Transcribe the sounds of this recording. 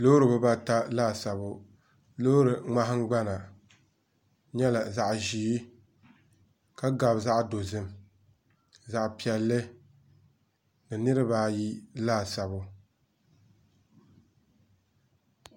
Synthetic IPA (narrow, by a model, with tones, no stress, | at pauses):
lo˦ɾɨ˨bɨ˦ba˦ta˦laː˦˨sa˨bʊ˨ | lo˦ɾɨ˨ŋ͡ma˦ɦɨ˦ŋ˦ɡ͡ba˦na˨ | ɲɛ˦la˨za˨ʔʒiː˨˦ | ka˦ɡa˨bza˦ʔdo˨zɨ˦m | za˨ʔpi˨ɛ˨lːɨ˦ | nɨ˨nɨ˦ɾɨ˦baː˦ji˦laː˦˨sa˨bʊ˦